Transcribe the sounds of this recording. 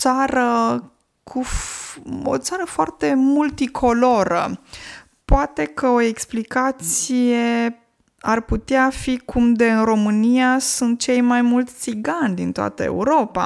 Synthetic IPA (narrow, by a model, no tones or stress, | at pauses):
t̪saɾə | kʰu | o̰t̪saɾəfoart̪e̞mult̪ikʰo̞lo̞ɾə̰ | poat̪e̞kəo̞e̞ksplikat̪sije̞ | arput̪eafikʰumd̪e̞ɨnro̞mɨnijasunt̪̚t͡ʃe̞jmajmult̪sʲsiɡanʲd̪int̪oa̰t̪əe̞̰uɾo̞pa̰